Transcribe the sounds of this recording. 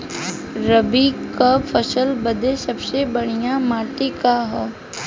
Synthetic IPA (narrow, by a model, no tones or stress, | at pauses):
ɾəbikapʰəsəlbɐd̪esɐbsebɐɽ̤ijamaːʈekaɦɛː